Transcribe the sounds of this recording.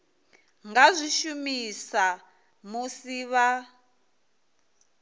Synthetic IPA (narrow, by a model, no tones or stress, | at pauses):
ŋɡazʷiʃumisa | musiβa